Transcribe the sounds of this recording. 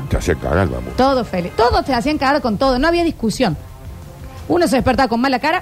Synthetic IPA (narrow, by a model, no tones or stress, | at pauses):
t̪ea̰siaŋka̰ɣa̰ɾβa̰mo̰t̪oðofelit̪oðost̪easiaŋkaɣaɾkont̪oðonoaβiaðihkusjo̞n | unos̬eðehpeɾt̪aβako̞nmalakaɾa